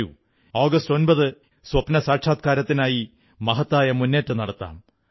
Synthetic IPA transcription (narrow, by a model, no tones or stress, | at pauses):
ṵ | o̞ːɡɐsto̞nbɐðɨ | swɐpnɐsaːʈʂʰaːt̪̚kaːɾɐt̪ːinaːji | mɐɦɐt̪ːaːjɐmunːe̞ːtːɨnɐɽɐt̪ːa̰ːm